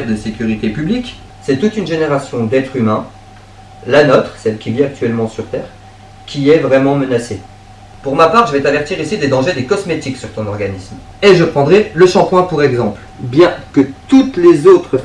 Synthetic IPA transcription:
ɛʁd̪əsekʲyʁip̪epyblik | sɛt̪ut̪ynʒeneʁasjɔ̃d̪ɛt̪χymɛ̃ | lanɔt̪χsɛlkʲiviak̚t̪ɥɛlmɑ̃syʁt̪ɛːʁ | kʲʰiɛvʁɛmɑ̃mənase | puʁmapaʁʒəvɛt̪avɛʁt̪iʁisid̪ed̪ɑ̃ʒed̪ekɔsmet̪iksyʁt̪ɔ̃nɔʁɡanism | eʒəpχɑ̃d̪ʁɛləʃɑ̃pwɛ̃puʁɛɡzɑ̃pl | bjɛ̃kət̪ut̪lezot̪χə

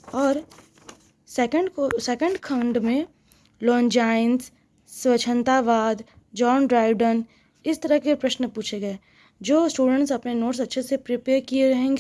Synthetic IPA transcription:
ɔːɾ | sɛːkə̃ɳɖkosɛkə̃ɳɖkʰɐ̃ɳɖmẽ | lɔ̃ːnd͡ʒaːɪnsː | wɐt͡ʃʰə̃nt̪aʋaːd̪d͡ʒɔːnɖɾaːɪʋɖən | ɪst̪ɐɾəɦkepɾɐʃnpuːt͡ʃʰeɡɐe | d͡ʒoːsʈuːɖə̃ɳʈsɐpnenoːʈsɐtːʃʰesepɾɪpeːɾkieɾɐɦẽːŋɡeː

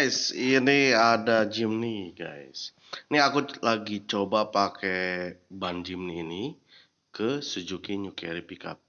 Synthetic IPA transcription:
siniadad͡ʒimniɡa̰js | niakulaɡit͡ʃobapakɛband͡ʒimniːni | kəsud͡ʒukinukɛ̰ɾipika̰p̚

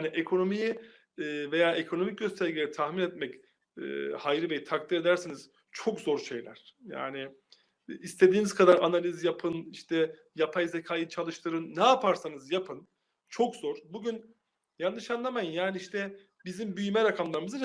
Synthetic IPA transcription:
niʔekʰo̞no̞mijiː | ve̞jaːʔekʰo̞no̞mic̚ɟøst̪ʰæɾɡʲɟilʲeɾit̪ʰahminɛt̪mɛcː | hajɾɯvejit̪ʰakt̪ʰiɾe̞d̪æɾsiniz̥ | t͡ʃʰo̞kzo̞ɾʃe̞jlʲæ̰ɾ̥ja̰ːnɪː | st̪ʰe̞d̪iːniz̥kʰad̪aɾanalʲizjapʰɯniʃt̪ʰɛ | japʰajzekʰajɯt͡ʃʰalˠɯʃt̪ɯɾɯnːɛapʰaɾsanɯzjapʰɯn | t͡ʃʰo̞kzoɾ̥buɟyn | janːɯʃanlˠamajɯnjaːniiʃt̪ʰɛ | bizimbyjymɛɾakʰamlˠaɾɯmɯzɯ

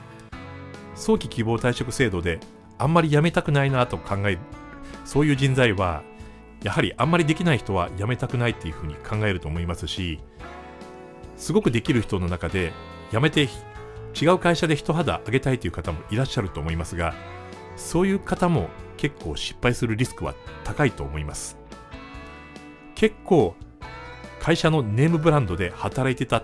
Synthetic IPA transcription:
so̞ːkʲikʲibo̞ːt̪aiɕo̞kɯ̟se̞ːd̪o̞d̪e̞ | ãmːaɾʲijame̞t̪akɯ̟nainat̪o̞kʰãŋɡaeɾɯ̟ | so̞ːjɯ̟ːd͡ʑĩnd͡zaiβa̰ | jahaɾʲiʔãmːaɾʲid̪e̞kʲinaiçi̥t̪o̞βa̰jame̞t̪akɯ̟nait̪ːejɯ̟ɸɯ̟ːɲ̟ikʰãŋɡae̞ɾɯ̟t̪oːmo̞imasɨɕi | sɨɡo̞kɯ̟d̪e̞kʲiɾɯ̟çi̥t̪o̞no̞nakad̪e̞ | jamet̪et͡ɕiɡaɯ̟kaiɕad̪e̞çi̥t̪o̞ɦad̪a̰ʔːɡe̞t̪ait̪ːeiɯ̟kat̪amo̞ʔiɾaɕːaɾɯ̟t̪o̞ːmo̞imasɨɡa | so̞ːjɯ̟ːkat̪amo̞̰ke̞kʰːo̞ːɕi̥pːaisɨɾɯ̟ɾʲisɨ̥kɯ̟βa̰t̪ʰakait̪o̞ːmo̞imasɨ̥ | kʰe̞kʰːo̞ː | kʰaiɕano̞ne̞ːmɯ̟bɯ̟ɾãnd̪o̞d̪e̞hat̪aɾait̪e̞t̪a

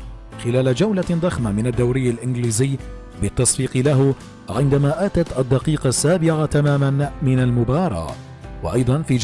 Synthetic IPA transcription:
xɪlaːlad͡ʒawlad̪ˤɑxmamɪnad̪ːawɾɪjːalʔɪnɡliːzɪjː | bɪt̪ːɑsˤbiːqɨlaɦ | ʕɪnd̪amaːʔaːt̪at̪ʔad̪ːɑqiːqɑsːaːbɪʕat̪amaːmanmɪnalmʊbɑːɾˤɑ̰ː | wɑ̰ʔɑjd̪ˤɑnfiːd͡ʒ

